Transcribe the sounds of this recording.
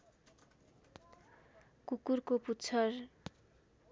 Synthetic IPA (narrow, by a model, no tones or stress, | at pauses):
kukuɾkoputːt͡sʰʌɾ